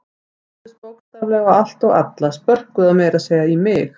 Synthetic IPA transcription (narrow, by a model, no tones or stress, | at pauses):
ɪspowkt̪avlɛɣaal̥t̪ɔɣa̰t̪laspœr̥kʏðaðmeːjɾaðseːjaimɪx